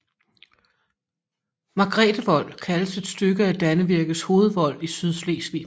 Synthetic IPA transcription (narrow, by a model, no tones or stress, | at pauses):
mɑ̈ɡ̥ʁɛ̰ːd̥əʋɒ̽l̰kʰæləse̝d̥sd̥øɡ̥əæd̥ænəʋiɐɡ̥ð̩ˠsho̝ːð̞̩ˠʋɒ̽l̰isyðˠsle̝̰sʋḭ